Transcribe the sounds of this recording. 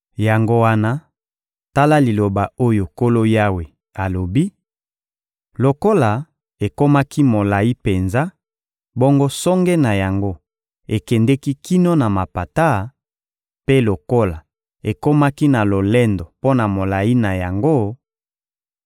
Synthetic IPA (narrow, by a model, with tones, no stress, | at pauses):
ja˨ŋɡo˦wa˦na˦ | ta˦la˦li˨lo˨ba˨o˦jo˨ko˦lo˦ja˦we˨ | a˨lo˨bi˦ | lo˨ko˦la˨ | e˨ko˦ma˦ki˦mo˨la˨i˦pe˨nza˦ | bo˦ŋɡo˦sɔ˦ŋɡɛ˦na˨ja˨ŋɡo˦ | e˨kɛ˨ndɛ˦ki˦ki˦no˦na˨ma˨pa˨ta˦ | pe˦lo˨ko˦la˨ | e˨ko˦ma˦ki˦na˨lo˨lɛ˦ndɔ˨po˦na˨mo˨la˨i˦na˨ja˨ŋɡo˦